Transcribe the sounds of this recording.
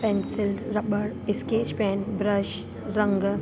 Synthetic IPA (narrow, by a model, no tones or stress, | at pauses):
pɛnsɪlɾɐbəɽɪskeːd͡ʒpɛːnbɾəʃ | ɾɐ̃ŋɡ